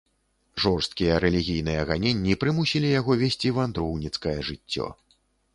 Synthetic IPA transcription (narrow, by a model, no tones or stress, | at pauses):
ʐɔrst̪̚kʲijɐɾɛlʲiɣʲijn̪ɨjɐɣanʲenʲːipɾɨmusʲilʲijaɣɔvʲɛsʲt͡sʲivand̪ɾɔwnʲit̪skɐjɐʐɨt͡sʲːɔ̰